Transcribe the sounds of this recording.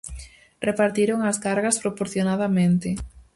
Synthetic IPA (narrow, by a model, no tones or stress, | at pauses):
repaɾt̪iɾoŋɐskaɾɣɐspɾopoɾθjonaðamẽnt̪ɪ